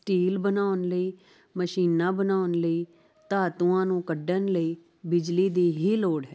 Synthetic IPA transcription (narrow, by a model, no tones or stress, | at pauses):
sʈiːlbənaːʊnləiː | məʃiːnãːbənaːʊnləiː | t̪aːt̪uãːnũːkəɖənləiː | bɪd͡ʒliːd̪iːɦiːloːɽɦɛː